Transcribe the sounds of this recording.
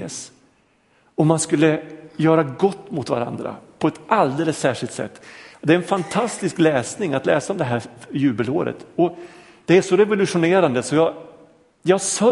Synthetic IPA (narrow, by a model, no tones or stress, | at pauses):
s | ɔmːanskɵlːəjœːɾaɡɔt̪ːmʊt̪va̰ɾa̰nd̪ɾa̰pʰɔɛt̪ald̪ɛləsːæːʂɪlt̪sɛ̰t̪ːɔd̪ɛɾɛnfant̪ʰast̪ɪsklɛːsnɪŋat̪lɛ̰ːsaɔmd̪ɛɦæːjʉ̟ːbəloːɾə̰t̪ɔ | d̪̥ɛæʂɔɾɛvʊlɵʂʊneːɾand̪əsɔjɑː | jɑːsœ